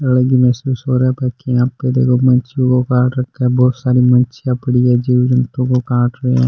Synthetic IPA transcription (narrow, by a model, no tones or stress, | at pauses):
əlɡimeːsuːsoːɾapɛːkʰːeãːpːeːd̪ḛːkomənt͡ʃõkokãːʈɾəkʰːebɔːt̪saːɾimənt͡ʃijãpəɽiːɛːd͡ʒiːʋd͡ʒənt̪õkokaːʈɾeãː